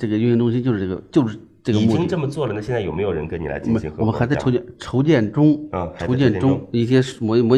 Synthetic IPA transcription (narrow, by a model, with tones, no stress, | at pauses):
ʈ͡ʂɤ˥˩ɡə˩y˥˩˧i˧˥ŋʈ͡ʂʊ˥ŋɕ̬i˥t͡ɕjo˥˧ʂɻ̩˥˧˩ʈ͡ʂɡə˩t͡ɕjo˥˧ʊʂɻ̩˥˩ | ʈ͡ʂɤ˥˩ɡə˧˨˩mu˧i˥ŋʈ͡ʂə˥˩mə˩t͡swɔ˥˩lə˩nə˦ɕjɛ˥˧nt͡sa˥˩jo˨˩me˧˥ɪjo˨˩ɻə̰˧nkə˥nni˨˩la̰˧˥ɪ˨˥˩m̰˦˧˥xɔ˨˩mə˦˥xɪt͡sa˥˩˧o˧˥ʊt͡ɕjɛ˥˩nʈ͡ʂʰo˧˥ʊt͡ɕjɛ˥˩nʈ͡ʂʊ˥ŋʰ˧˥o˧˥ʊt͡ɕjɛ˥˩nʈ͡ʂʊ˥ŋi˥˩ɕ̬jɛ˥mɔ˧˥mwɔ˧˥